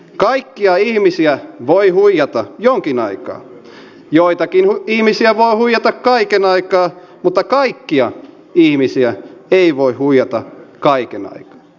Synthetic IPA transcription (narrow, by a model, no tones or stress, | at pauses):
kɑikːiɑihmisiæʋoihuijɑt̪ɑjoŋkinɑikɑ̰ː | joit̪ɑkinuihmisiæʋoihuijɑt̪ɑkkɑikenɑikɑː | mut̪ːɑkɑikːiɑ | ihmisiæeiʋoihuijɑt̪ɑ̰kɑikenɑ̰ikɑ̥ː